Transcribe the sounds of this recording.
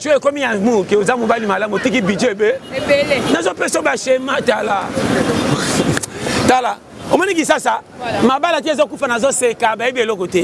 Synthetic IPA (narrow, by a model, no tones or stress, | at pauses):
t͡ʃekomiamukeozamubalimalamotik̬ibid͡ʒoebe | nazɔpesobaʃemãtala | tala | omɔnĩkisasa | mabalat̬iezɔkufanazɔsekabaibielokote